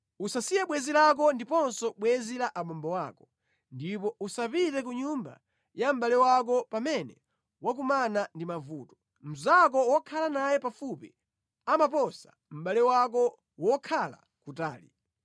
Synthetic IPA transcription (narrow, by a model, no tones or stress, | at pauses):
usasijɛɓwɛzilak̬ɔndipɔnsɔɓwɛzilaʔamɔmbɔwakɔ̥ | ndipɔusapitɛk̬uɲumba̰ | jam̩ɓalɛwak̬ɔpamɛnɛ | wak̬umanandimavuːtɔ̥ | m̩zak̬ɔwɔkʰalanajɛpafupi | amapɔsa | m̩ɓalɛwak̬ɔ | wɔkʰala̰ | kuta̰ːlḭ